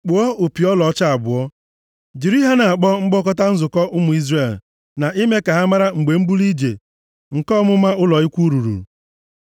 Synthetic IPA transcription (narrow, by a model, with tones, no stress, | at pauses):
k͡pʊ˨ɔ˦o˨pi˨ɔ˦lɔ˨˦t͡ʃa˦a˨bʊ˨ɔ˦ | d͡ʒi˨ɾi˦ɦa˦na˨a˨k͡pɔ˦ŋ͡m̩˦ɡ͡bɔ˦kɔ˦ta˦n̩˦zʊ˨kɔ˦ʔʊ˦mʊ˨i˦zre˦˨l | na˨ʔi˦me˦ka˨ɦa˦ma˦ɾa˦ŋ͡m̩˨ɡ͡be˨ŋ͡m̩˦bu˦li˦d͡ʒḛ˨ | ŋ̩˨kɔ˦mʊ˦ma˦ʊ˦lɔ˨ɪ˦kʷu˦ɾu˨ɾṵ˨